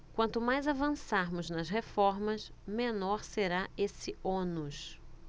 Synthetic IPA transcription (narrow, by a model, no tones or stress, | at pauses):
kwɐ̃nt̪ʊmajzavɐ̃saɾmʊznɐzɦefɔɾmɐsmẽnɔɾseɾaesɪõnʊʃ